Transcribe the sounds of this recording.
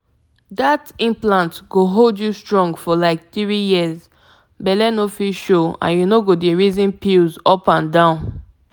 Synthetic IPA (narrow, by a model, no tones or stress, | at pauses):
datĩmplãntɡoɦoldjustɹɔ̃ŋɡfɔlaɪk̚θɹijiəz | bɛlɛnofiʃoã̰njunoɡodeɹizĩnpilzɔpãndãʊ̃n